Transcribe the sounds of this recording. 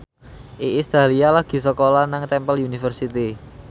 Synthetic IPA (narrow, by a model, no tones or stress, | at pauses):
ʔiʔist̪ɾalialaɡ̥i̤səkolanaŋt̪ɛmpəlunifərsit̪i